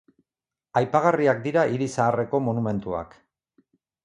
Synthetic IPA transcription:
ajpaɣ̞ariak̚d̪iɾaʔiɾisaːre̞ko̞monume̞nt̪ua̰k

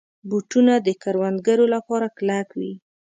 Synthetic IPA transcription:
buʈunad̪əkaɾwand̪̚ɡaɾolapɑɾaklakwi

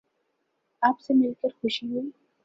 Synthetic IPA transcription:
aːpsemɪlkəɾxʊʃiɦui

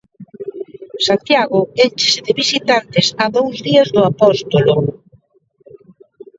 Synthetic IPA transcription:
sant̪jaɣʊent͡ʃe̥sɪðɪβisit̪ant̪ɪsaðowzðiɐzðʊapɔst̪olo

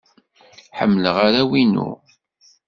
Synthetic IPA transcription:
ħə̰mːləʁaɾæwinṵ

